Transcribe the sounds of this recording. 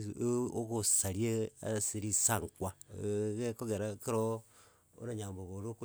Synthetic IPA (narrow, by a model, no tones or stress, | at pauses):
okosaɾiea̰siɾisaŋkwakekoɡeɾakiɾo | o̰ɾaɲamboboɾok